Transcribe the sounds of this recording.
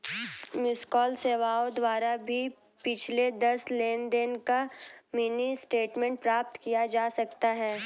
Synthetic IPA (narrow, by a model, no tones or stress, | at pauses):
mɪskɔːlseːʋaːod̪ʋaːɾabʱi | pɪt͡ʃʰled̪ɐsleːnd̪ɪnkamiːnisʈeːʈmẽɳʈ̚pɾaːp̚t̪kijad͡ʒaːsɐk̚t̪aɦɛː